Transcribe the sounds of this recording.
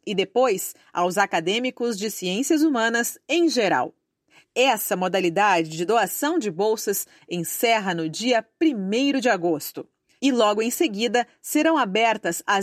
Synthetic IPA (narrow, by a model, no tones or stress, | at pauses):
ɪd̪epojs | a̰wzakad̪ẽmikʊzd͡ʒɪsiẽsiɐzumɐ̃nɐsẽj̃ʒeɾa̰w | ɛsɐmod̪alid̪ad͡ʒɪd͡ʒɪd̪oasɐ̃w̃d͡ʒɪbowsɐs | ẽsɛɦɐnʊd͡ʒiɐpɾimejɾʊd͡ʒɪaɡost̪ʊ | ɪlɔɡʊẽseɡid̪ɐ | seɾɐ̃w̃abɛɾt̪ɐza